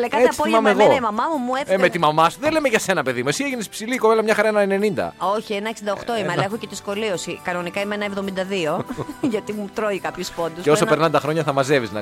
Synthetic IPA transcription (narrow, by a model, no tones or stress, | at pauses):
lekɐeɐi̥polmɐmeɣoemɐmɐmumuefemet̪imɐmɐsuðele̞meʝɐse̞nɐpe̞ðimuesieʝinespsiliːkovelɐmɲɐxɐɾɐenɐenenind̪ɐ̰o̞çienɐeksind̪oxt̪o̞imeɐlɐexocet̪isko̞lio̞sikɐno̞nikɐimeenɐevðo̞mind̪ɐðio̞ʝɐt̪imut̪ɾoikɐpçusfond̪useosopeɾnɐnd̪ɐxɾoɲɐθɐmɐze̞viznɐ